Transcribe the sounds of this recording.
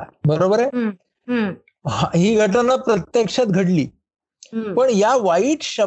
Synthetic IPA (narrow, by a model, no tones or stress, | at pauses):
bəɾobəɾe | aɦiːɡʱəʈ̬anːapɾət̪jekʂat̪̚ɡʱəʈlḭː | pəɳjaʋaiːʈɕə